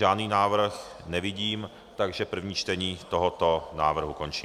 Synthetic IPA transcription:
ʒaːdniːnaːvr̩x | nɛvɪɟiːm | t̪aɡʒɛpr̩vɲiːt͡ʃt̪ɛɲiːt̪oɦot̪onaːvr̩ɦukont͡ʃiː

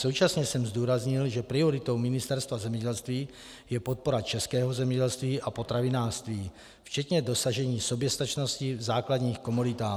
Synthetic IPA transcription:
sowt͡ʃasɲɛsɛmzd̪uːɾazɲɪlʒɛpɾɪoɾɪt̪o̞wmɪnɪst̪ɛɾst̪vazɛmɲɛɟɛlst̪viː | jɛpot̪̚po̞ɾat͡ʃɛskɛːɦozɛmɲɛɟɛlst̪viːʔapo̞t̪ɾavinaːʂt̪viː | ft͡ʃɛt̪ɲɛdo̞saʒɛɲiːso̞bjɛst̪at͡ʃno̞scivzaːklad̪ɲiːxko̞mudɪt̪aː

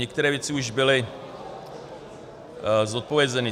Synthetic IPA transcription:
ɛk̚t̪ɛɾɛːvjɛt͡sɪuʒbɪlɪ | zot̪̚po̞vjɛzɛnɪ

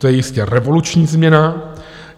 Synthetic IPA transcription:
t̪ojɛjɪscɛɾɛvo̞lut͡ʃɲiːzmɲɛna

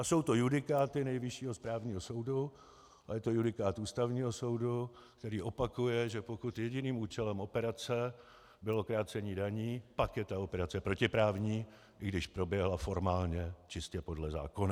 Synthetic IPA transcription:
ʔaso̞wt̪o̞judɪkaːt̪ɪnɛjvɪʃiːɦospɾaːvɲiːɦoso̞wdu | ajɛt̪o̞judɪkaːt̪ʔuːst̪avɲiːɦo̞so̞wdu | k̚t̪ɛɾiːʔo̞pakujɛʒɛpokut̪jɛɟɪniːmuːt͡ʃɛlɛmo̞pɛɾat͡sɛ | bɪlo̞kɾaːt͡sɛɲiːdaɲiːpakjɛt̪ao̞pɛɾat͡sɛpɾo̞cɪpɾaːvɲiː | ʔɪɡdɪʃpɾo̞bjɛɦlafo̞ɾmaːlɲɛt͡ʃɪscɛpo̞dlɛza̰ːko̞na

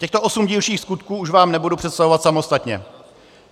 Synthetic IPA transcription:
cɛxt̪o̞ʔosumɟiːlʃiːxskut̪kuːuʃvaːmnɛbudupr̥ɛt̪st̪avovat̪samo̞st̪at̪ɲɛ̰

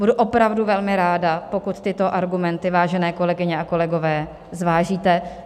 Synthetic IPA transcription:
buduʔo̞pɾavduvɛlmɪɾaːdapo̞kut̪t̪ɪt̪o̞ʔaɾɡumɛnt̪ɪvaːʒɛnɛːko̞lɛɡɪɲɛako̞lɛɡo̞vɛː | zvaːʒiːt̪ɛ

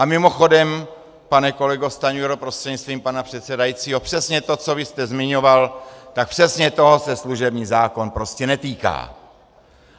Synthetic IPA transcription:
ʔamɪmo̞xo̞dɛm | panɛko̞lɛɡo̞st̪aɲuɛɾopɾost̪r̥ɛdɲɪt͡sst̪viːmpanapr̝̥ɛt̪sɛdajit͡siːɦo̞pr̥ɛsɲɛt̪o̞t͡so̞vɪst̪ɛzmɪɲo̞valt̪ak̚pr̝̥ɛsɲɛt̪o̞ɦosɛsluʒɛbɲiːzaːko̞npɾo̞scɛnɛt̪iːka̰ː

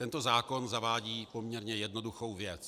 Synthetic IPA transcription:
t̪ɛnt̪o̞zaːko̞nzavaːɟiːpo̞mɲɛɾɲɛjɛdno̞duxo̞wvjɛt͡s

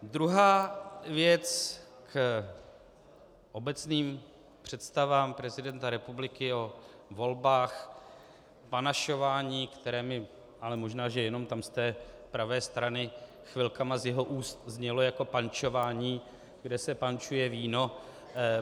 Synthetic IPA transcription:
d̪ɾuɦaːvjɛt͡sk | ʔo̞bɛt͡sniːm | pr̝̥ɛt̪st̪avaːmpɾɛzɪdɛnt̪aɾɛpublɪkɪo̞ | vo̞lbaːx | panaʃo̞vaːɲiːkt̪ɛɾɛːmɪ | ʔalɛmo̞ʒnaːʒɛjɛno̞mt̪amst̪ɛː | pɾavɛːst̪ɾanɪ | xvɪlkamazjɛɦo̞ʔuːst̪zɲɛlo̞jako̞pant͡ʃo̞vaːɲiː | ɡdɛsɛpant͡ʃujɛviːno̞

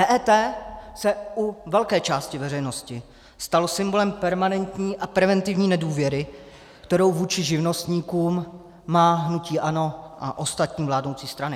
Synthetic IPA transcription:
ʔɛːʔɛːt̪ɛːsɛʔuvɛlkɛːt͡ʃaːscɪvɛrɛjno̞scɪ | st̪alosɪmbo̞lɛmpɛɾmanɛnt̪ɲiːʔapɾɛvɛnt̪ɪvɲiːnɛduːvjɛɾɪ | kt̪ɛɾo̞wvuːt͡ʃɪʒɪvno̞st̪ɲiːkuːmː | aːɦnuciːʔano̞ʔaʔo̞st̪at̪ɲiːvlaːdnowt͡siːst̪ɾanɪ

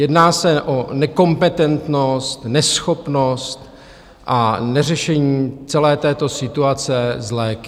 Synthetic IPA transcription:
jɛdnaːsɛʔonɛko̞mpɛt̪ɛnt̪nost̪nɛsxo̞pno̞st̪ | ʔanɛrɛʃɛɲiːt͡sɛlɛːt̪ɛːt̪o̞sɪt̪uat͡sɛzlɛːkɪ

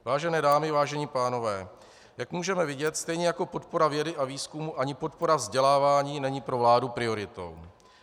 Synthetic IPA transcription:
vaːʒɛnɛːdaːmɪvaːʒɛɲiːpaːno̞vɛː | jakmuːʒɛmɛvɪɟɛt̪st̪ɛjɲɛjako̞po̞t̪po̞ɾavjɛdɪʔaviːskumuʔaɲɪpo̞t̪po̞ɾavzɟɛlaːvaːɲiːnɛɲiːpɾo̞vlaːdupɾɪo̞ɾɪt̪o̞̰w

